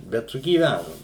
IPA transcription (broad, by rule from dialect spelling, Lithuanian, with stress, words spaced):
ˈbʲɛt sʊɡʲiːˈʋʲænʊm